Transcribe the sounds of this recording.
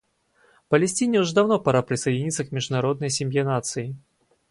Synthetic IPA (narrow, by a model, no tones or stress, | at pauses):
pɐlʲɪsʲtʲinʲɛuʐɛd̪awnɔpaɾapɾʲɪsɐjdʲinʲit̪sɐkmʲɪʐd̪ʊnaɾɔd̪nɐjsʲɪmʲjɛnat̪sɨɪ